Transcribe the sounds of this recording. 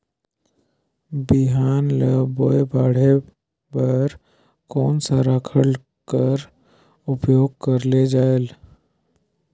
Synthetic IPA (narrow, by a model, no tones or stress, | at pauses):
bɪɦaːnləboːebaːɽ̤e | pəɾ | kɔːnsaɾaːkʰəɽ | kəɾ | ʊpjoːɡ̚kəɾled͡ʒaːel